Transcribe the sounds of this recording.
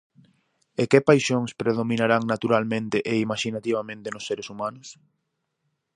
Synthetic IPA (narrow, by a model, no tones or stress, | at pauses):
ekepajʃoŋspɾeð̞omĩnaɾaŋnat̪uɾalmẽnt̪ɪʔeimaʃinat̪iβamẽnt̪enʊsːeɾesumanʊs